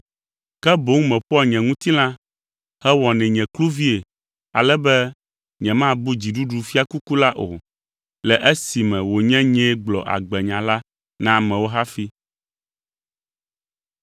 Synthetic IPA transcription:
kɛ˦bo˦ŋũ˦mɛ̃˨ɸɔ˦˨ɲɛ̃˨ŋũ˦t̪i˦lã˦ | hɛ˦wɔ˨nɛ̃˨ɲɛ̃˨klu˦vi˦e˨ | a̰˨lɛ˦bɛ˦ | ɲɛ̃˨mã˦bu˦d͡ʑi˨ɖu˦ɖu˨fi˦a˦ku˦ku˦la˦ʔo˨ | lɛ˨ʔɛ˦si˨mɛ̃˨wo˨ɲɛ̃˦ɲɛ̃˦ɡ͡blɔ̰˨ʔa̰˨ɡ͡bɛ˨ɲã˨la˦ | nã˦mɛ̃˨wo˦ɦa˦fi˦

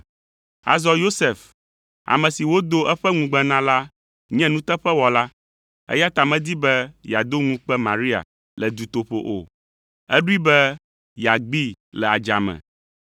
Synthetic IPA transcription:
a̰˨zɔ˦jo˦se˨f | a̰˨mɛ̃˨si˨wo˦d̪o˦ʔɛ˦ɸɛ˦ŋũ˨ɡ͡bɛ̃˦˨nã˦la˦ | ɲɛ̃˦nũ˦t̪ɛ˦ɸɛ˦wɔ˨la˦ | ɛ̰˦ja˦t̪a˨mɛ̃˦d̪i˦bɛ˦ja˨d̪o˦ŋũ˦k͡pɛ˦mã̰˨ɾi˦a̰˨ | lɛ˨d̪u˨t̪o˨ɸo̰˨ʔo̰˨ | ɛ˦ɖu˦i˦bɛ˦ | ja˨ɡ͡bi˦ | lɛ˨a˨d͡ʒa̰˨mɛ̰̃˨

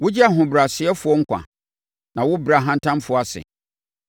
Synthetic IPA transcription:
wʊ˦d͡ʑi˦a˨ɦʊ̃˨bɾa˨sɪ˨˦ɛ˦fʊ˨ɔ˦ŋ̩˦kʷã̰˨ | nã˨wʊ˦bɾa˨ɦã˦n̩˦tʰã˦m˦fʊ˨˦˨a˨sɪ̰˨

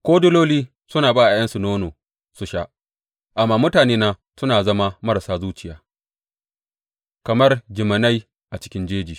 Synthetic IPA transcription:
kʷoː˦dʊ˦loː˦liː˦ | sʊ˦naː˨baː˦˨ʔa˨jɐ˦nsu˨noː˦noː˨ | su˨ʃa˦ʔ | ʔa˨mːaː˨mʊ˦taː˨neː˦naː˦ | sʊ˦naː˨zɐ˦ma˦mɐ˦ɾa˨saː˦zuː˦t͡ʃɪ˨jaː˨ | kɐ˨mɐ˦rd͡ʒɪ˨mɐ˨na˦j | ʔa˨t͡ʃɪ̥˦kʲɪ˦nd͡ʒeː˦d͡ʒiː˨

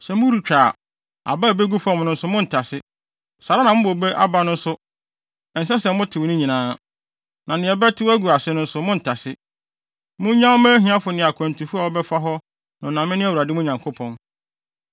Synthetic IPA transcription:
sɛ˨mʊ̃˦ɾu˨t͡ɕᶣaː˨ | a̰˨ba˦˨be˦ɡu˦fɔ˦˨m̃˨˦nʊ̃˦n̩˦sʊ˦mʊ̃˦n̩˨tʰa˨sɪ˦ | sa˨ɾa˦nã˨mʊ̃˦bo˨be˦ʔa̰˦ba˦nʊ̃˦n̩˦sʊ˦˨ | n̩˨s̬ɛ˦sɛ˨˦mʊ̃˦tʰɪ˨wnʊ̃˦ɲĩ˨nãː˨˦ | nã˨nɪ̃˨ɛ˨bɛ˦tʰɪ˦wæ˦ɡu˨a˨sɪ˦nʊ̃˦n̩˦sʊ˦mʊ̃˦n̩˨tʰa˨sɪ˦ | mʊ̃˦ɲã˦mɛ̃˦ɦĩ˨ã˦fʊ˨nɪ̃˨a˨kʰɔ̃˨n̩˨tʰũ˨fu˦a˨wɔ˦bɛ˦fa˦ɦɔ˦ | nʊ̃˨nã˨mɪ̃˦nɪ̃˦æ˦˨u˨ɾa˨dɪ˦mʊ̃˦ɲã˨ŋkʰo˦pʰɔ̃˦n

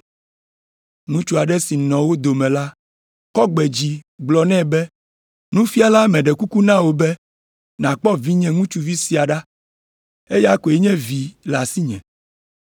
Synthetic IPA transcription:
ŋũ˦t͡ʃu˦a˨ɖɛ˦si˨nɔ̃˨wo˦d̪o˨mɛ̃˨la˦ | kɔ˦ɡ͡bɛ˨d͡ʑi˨˦ɡ͡blɔ˨nɛ̃˦bɛ˦ | nũ˦fi˦a˨la˦mɛ̃˨ɖɛ˨ku˦ku˦nã˦wo˨bɛ˦ | nã˨k͡pɔ˦vi˦ɲɛ̃˦ŋũ˦t͡ʃu˦vi˦si˦a˨ɖa˦ | e˦ja˦ko˨ɛ˦ɲɛ̃˦vi˨la˨si˦ɲɛ̰̃˨

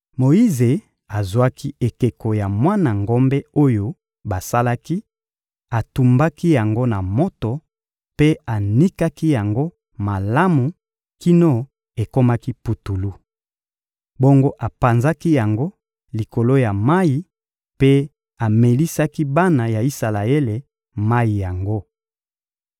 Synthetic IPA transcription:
mo˨i˦ze˨ | a˨zwa˦ki˦e˨ke˨ko˨ja˨mwa˦na˨ŋɡo˦mbe˦o˦jo˦ | ba˨sa˦la˦ki˦ | a˨tu˨mba˦ki˦ja˨ŋɡo˦na˨mo˦to˨ | pe˦a˨ni˦ka˦ki˦ja˨ŋɡo˦ | ma˨la˦mu˨ | ki˦no˦ | e˨ko˦ma˦ki˦pu˨tu˨lu˦ | bo˦ŋɡo˦ʔa˨pa˨nza˦ki˦ja˨ŋɡo˦ | li˨ko˨lo˦ja˨ma˦ji˨ | pe˦ | a˨me˨li˦sa˦ki˦ba˦na˨ja˨i˦sa˨la˨e˦le˨ | ma˦ji˨ja˨ŋɡo˦

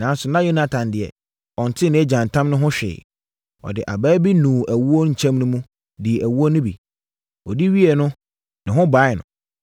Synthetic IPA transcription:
nã˨˦n˦sʊ˨nã˦jo˦na˨tʰã˨ndɪ˨ɛ̰˨ | ɔ̃˨n˨tʰɪ˦nɪ̃˦ɛ˦d͡ʑã˨n˨tʰã˦mnʊ̃˦ɦʊ̃˦ɕᶣɛ̰ː˨ | ɔ̰˨dɪ˨ʔa˨bæː˦bi˦nũː˨ʔæ˨wu˦o˦ɲ̩˨t͡ɕʰɛ̃˦mnʊ̃˦mũ˦ | dɪ˨ʔæ˨wu˦o˦nʊ̃˦bḭ˨ | ɔ˨di˦ɥi˦ɛ˨nʊ̃˦ | nɪ̃˨ɦʊ̃˦ba˨˦˨nʊ̰̃˨

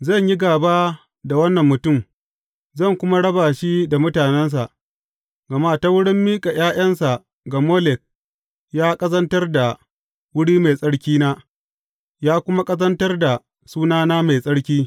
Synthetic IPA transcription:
zɐ˦˨ɲji˦ɡaː˨baː˦ | da˨wɐ˦nːɐ˨mːʊ˨tʊ˦˨m | zɐ˦˨ŋkʷʊ˦ma˦ɽɐ˦baː˨ʃi˦da˨mʊ˦taː˨nɛ˦ns̬a˨ʔ | ɡɐ˨maː˦ta˦wʊ˦ɽɪ˦mːiː˦kʼa˨j̰aː˦j̰ɐ˦nsa˨ʔ | ɡa˨moː˦lɛ˨k̚ | jaː˦kʼɐ˦zɐ˦ntɐ˦rda˨ | wʊ˦ɽiː˦ma˨jsʼɐ˦ɽkʲiː˦naː˦ | jaː˦kʷʊ˦ma˦kʼɐ˦zɐ˦ntɐ˦rda˨ | suː˦naː˦naː˦ma˨jsʼɐ˦ɽkʲiː˦

